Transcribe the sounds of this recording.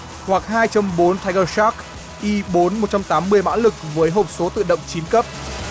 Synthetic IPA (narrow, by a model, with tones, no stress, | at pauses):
hwa˨˩k̚haː˧jt͡ɕə˧mɓo˨˦nt̪ʰa˧jɣə˧sa˦˥k̚ | ʔi˧ɓo˨˦nmo˨˩t̚t͡ɕa˧mt̪aː˨˦mːɨ˧əjma̰ː˧˥nlɨ˨˩k̚vəː˨˦jɦo˨˩p̚so˨˦t̪ɨ̰˧˨ɗə̰˧˨wŋ͡mt͡ɕi˨˦nkə˦˥p̚